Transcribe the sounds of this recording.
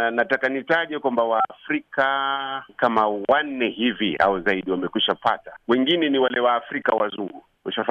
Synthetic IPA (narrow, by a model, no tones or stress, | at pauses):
natakanitaʄɛkwambawaːfɾikakamawan̩nɛhivia̰wɛzaiɗiwamɛkwiʃapa̰tawɛŋɡinɛniwalɛwaːfɾikawazuŋɡu | uʃaf